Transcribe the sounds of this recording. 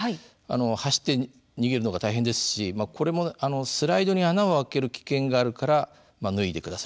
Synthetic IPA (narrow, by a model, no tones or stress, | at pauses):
a̰no̞haɕi̥t̪ːe̞ | ɲ̟iɡe̞ɾɯ̟no̞ɡat̪aiɦẽ̞nd̪e̞sɨ̥ɕimakʰo̞ɾe̞mo̞ano̞sɨɾaid̪o̞ɲ̟ianaoake̞ɾɯ̟kʲi̥kẽ̞ŋɡaːɾɯ̟kaɾa | manɯ̟id̪e̞kɯ̟d̪asaɾɯ